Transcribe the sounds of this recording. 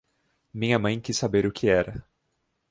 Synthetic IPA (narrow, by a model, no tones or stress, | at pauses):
mĩɲɐmɐ̃j̃kisːabeɾʊkʰɪɛɾɐ